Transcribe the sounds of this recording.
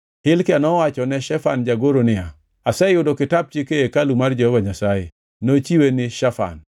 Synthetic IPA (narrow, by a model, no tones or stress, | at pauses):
hɪlkɪanɔwat͡ʃɔnɛʃɛfand͡ʒaɡoɾonɪa | asɛjʊdokɪtab̚t͡ʃikeekalumard͡ʒɔhevaɲasajɪ̰ | not͡ʃiwenɪʃafa̰n